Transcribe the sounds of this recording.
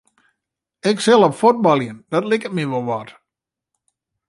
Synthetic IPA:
ɛksɛlˠɔpfot̚bɔlˠjənd̥ɔtlɪkət̚miʋolˠʋɔt

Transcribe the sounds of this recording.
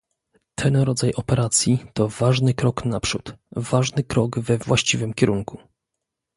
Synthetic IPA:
t̪ʰɛnɾɔd̪zajʔɔpɛɾat̪sʲjit̪ɔvaʐnɘkɾɔknapʂut̪vaʐnɘkɾɔɡvɛvwaɕt͡ɕivɘmkʲɛɾuŋku̥

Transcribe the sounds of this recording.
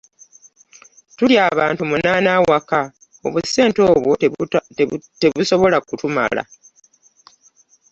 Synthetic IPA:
tuljaːβa̰ːntumunaːnawaka | o̞̰βuse̞ːnto̞ːβwo | te̞βuso̞βo̞lakutuma̰la̰

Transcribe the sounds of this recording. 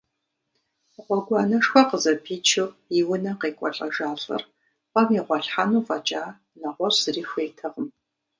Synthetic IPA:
ʁʷɔɡʷɑːnɐʂxʷɔqəzɐpʰiːt͡ʃʰɪiwʊnɐqeːkʷʼɔɬʼɐʒaːɬɨ̰r | qɐmiːʁʷɑɬħanuːfɐt͡ʃʼaː | nɐʁʷɔrsɨriːxʷeːtʰɐʁəm

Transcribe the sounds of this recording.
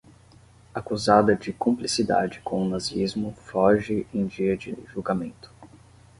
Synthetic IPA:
akuzad̪ɐd͡ʒɪkõmplisid̪a̰d͡ʒɪkõʊnaziizmʊfɔʒɪʔẽj̃d͡ʒiɐd͡ʒɪ̰ʒuwɡamẽnt̪ʊ̥

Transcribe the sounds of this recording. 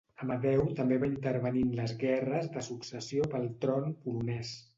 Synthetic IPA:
əməðɛwt̪əmbeβaint̪əɾβəninləzɣɛrəzðəsuksəsiopəlˠt̪ɾɔnpulunɛs

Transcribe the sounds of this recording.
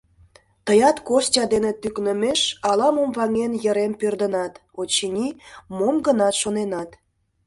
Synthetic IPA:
t̪əjɑt̪kosʲtʲɑd̪enet̪yknəmeʃɑlɑmomvɑŋenjəɾempørd̪ənɑt̪ot͡ɕinʲimomɡənɑt̪ʃonenɑt̪

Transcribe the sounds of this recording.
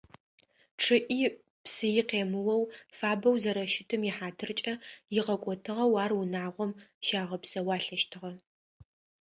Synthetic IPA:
ʈ͡ʂʰɨʔiː | psɨjɪqeːmɨwɐwfaːbɐwzɐɾɐʃɪtʰɨmjɪħaːtʰɨrt͡ʃʼɐjɪʁɐkʷʼɔtʰɨʁɐwaːrwʊnaːʁʷɔmʃaːʁɐpsɐwaːɬɐʃtʰɨʁɐ

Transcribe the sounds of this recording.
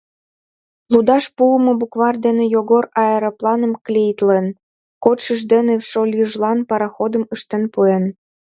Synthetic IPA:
lud̪ɑʃpuəmɤ̆bukβɑrd̪enĕjoɣorɑeɾɑplɑnə̆mklʲejt̪len | kot̪ʃə̆ʒd̪eneʃolʲjəʒlɑnpɑɾɑxod̪ə̆məʃt̪enpuen

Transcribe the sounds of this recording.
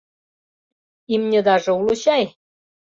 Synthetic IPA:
imnʲĕd̪ɑʒɤ̆uluɕɑj

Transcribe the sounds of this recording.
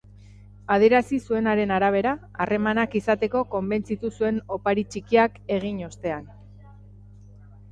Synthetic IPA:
að̞ie̞ɾasisue̞naɾe̞naɾaβ̞e̞ɾa | are̞manakisat̪e̞ko̞ko̞mbe̞nt͡sit̪usue̞no̞paɾit͡ʃikiake̞ɣ̞iɲo̞st̪e̞an

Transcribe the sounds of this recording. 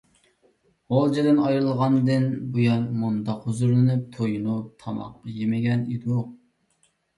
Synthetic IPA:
ʁolˠd͡ʒed̪ɪnɑjɾɨlˠʁɑnd̪ɨnbujɑnmund̪ɑqhuzuɾlˠɨnyp̚t̪ʰojunut̪ʰɑmɑ̰qːɑjemɪɡʲɛnid̪u

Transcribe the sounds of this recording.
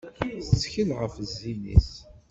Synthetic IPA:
θət͡sːçəlʁəfzːinḭs

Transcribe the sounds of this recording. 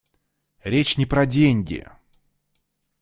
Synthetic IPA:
ɾʲet͡ɕnʲɪpɾɐdʲenʲɡʲɪ̰

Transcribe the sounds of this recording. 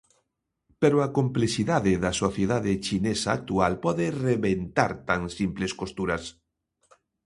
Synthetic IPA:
peɾoakomplesiðaðeðɐsoθjeðaðet͡ʃinesaːk̚t̪ualpɔðereβent̪aɾt̪aŋsimpleskost̪uɾɐs

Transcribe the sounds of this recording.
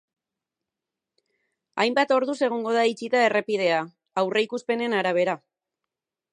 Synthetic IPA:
ajmbat̪o̞ɾðuse̞ɣ̞oŋɡo̞ð̞ait͡ʃit̪ae̞re̞pið̞e̞a | awre̞jkuspe̞ne̞naɾaβ̞e̞ɾa

